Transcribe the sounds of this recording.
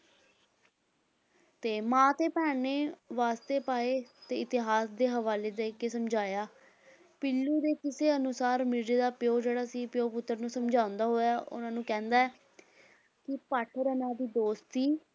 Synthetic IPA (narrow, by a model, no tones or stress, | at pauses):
t̪eːmãːt̪eːpɛːneːʋaːst̪eːpaːeːt̪eːɪt̪ɪɦaːsd̪eːɦəʋaːleːd̪eːɪkeːsəmd͡ʒaːjaː | pɪlːuːd̪eːkɪseːənʊsaːɾmɪɾd͡ʒeːd̪aːpɪjoːd͡ʒeːɽaːsiːpjoːpʊt̪ːəɾnũːsəmd͡ʒaːʊ̃nd̪aːɦoːjaːʔʊ̰nãːnũːkɛ̃ːnd̪aːɛː | kɪpaːʈʰɾənaːd̪iːd̪oːst̪iː